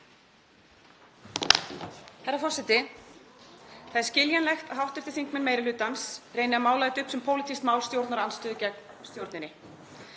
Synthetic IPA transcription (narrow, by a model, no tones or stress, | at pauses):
hɛɾafɔr̥sɛt̪ɪ | θaðɪɾ̥scɪljanlɛxt̪aɦawht̪ʏ̥ɾ̥t̪ɪθiŋkmɪnmeːjɾɪlʏːt̪ansreːjnɪamaːwlajðɪt̪ʏhpsɛmpʰoːwlɪt̪ʰist̪maːwlst̪jowɾt̪naɾanst̪ʏːðʏcɛk | st̪jowɾt̪nɪnːɪ